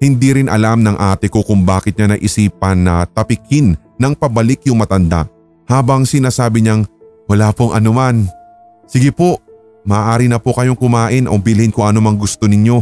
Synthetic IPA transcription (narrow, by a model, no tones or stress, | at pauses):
hɪnd̪iɾɪnʔɐ̰lamnɐŋʔaːt̪ɪko̞kʊŋbaːkɪt̪̚ɲanɐjʔɪsiːpɐnːɐt̪ɐpɪkʰɪnː | ɐŋpɐbɐlɪkjʊŋmɐt̪ɐnd̪a̰ʔ | haːbɐŋsɪnaːsaːbɪɲɐŋ | wɐlaːpoŋʔɐ̰noman | sɪɡɪpo̞ʔ | mɐʔːʔaːɾɪnɐpokɐjoŋkʊmaːʔɪnʔobɪlɪhɪnkʊŋɐnomɐŋɡʊst̪o̞nɪɲo̞